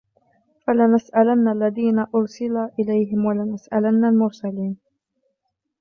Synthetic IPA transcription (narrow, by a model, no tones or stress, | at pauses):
falɪnasʔalanːalːaðiːnaʔʊɾsɪlaːʔɪlajɦɪmwalɪnasʔalanːalmʊɾsaliːn